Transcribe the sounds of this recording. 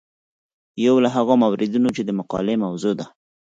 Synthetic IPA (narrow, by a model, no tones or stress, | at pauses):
jawlaɦaɣamawɾɪd̪unot͡ʃed̪əmʊqɑ̰lemawzod̪a